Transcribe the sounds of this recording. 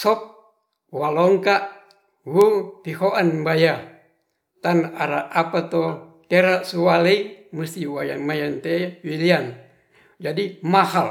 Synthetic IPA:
sɔp̚ | walɔŋkaʔ | wut̪ihoʔanbaja | t̪anaɾaapat̪o | k̪eɾaʔsuwalemust̪iwajamajant̪ewilian | d͡ʒadimahal

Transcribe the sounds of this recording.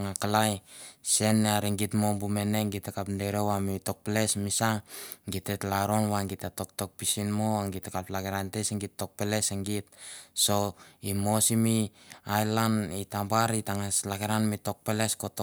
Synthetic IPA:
ŋakalajse̞nːeaɾiŋɡitmombume̞ne̞ŋɡitːekapndeɾewamito̞k̚pele̞smisaŋɡitːetlaɾo̞nwaŋɡitato̞k̚to̞k̚pisinmoŋɡitekaplaɡeɾanteseŋɡitːo̞k̚pele̞seŋɡit̚so̞imo̞simiajlanitabaɾitaŋaslaɡeɾanmito̞k̚pele̞skoto

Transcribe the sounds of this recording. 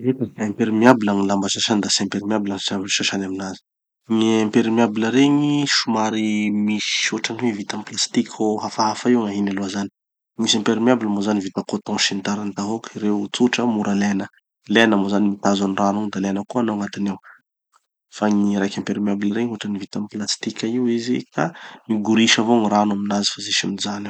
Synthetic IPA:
vet̪akãmpeɾimiabilaŋilambaʃaʃand̪asãmpeɾimiabilansabiʃaʃanaminazi̥ | ɲiãmpeɾimiabiləɾeɲiʃumaɾimisoʈ͡ʂaniwevit̪amplast̪ikʲʰoɦafaɦafaiwŋaɦinaluazani̥ | misãmpeɾimiabiləmozanivit̪akot̪ɔ̃ʃint̪aɾant̪aɦokiɾewt͡suʈ͡ʂəmuɾʔalenə | lenəmozanimit̪azaniranuŋd̪alenəkuanoaŋat̪inew | faŋiɾajkʲãmpeɾimiabilaɾeɲoʈ͡ʂənivit̪amplast̪ikʲaiwizḭkʰamiɡuɾiʃavoŋiɾanaminazifazeʃumzana

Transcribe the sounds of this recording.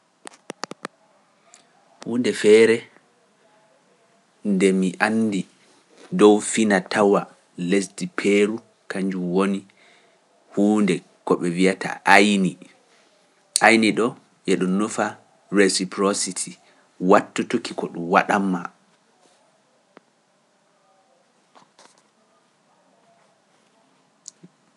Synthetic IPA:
huːndɛfɛːɾɛ | ndɛmiʔanːdi | dɔwfinatʰawa | lesdipʰeɾu | kaɲd͡ʒumwoni | huːndɛ | kɔɓɛvijatʰa̰ʔajni | ajniɗɔ | ʔɛɗɔːufa | ɾesipɾositʰi | watːutukikɔɗumwaɗamːa

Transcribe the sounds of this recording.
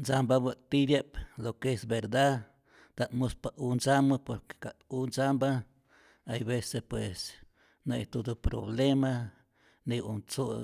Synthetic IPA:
nsambabat̪iɾjeplokesbeɾd̪a | d̪aʔt̪muspaunsamapoɾke̥kat̪unsamba | ajbesepwes | nejt̪ud̪upɾo̰blema | niunt͡su

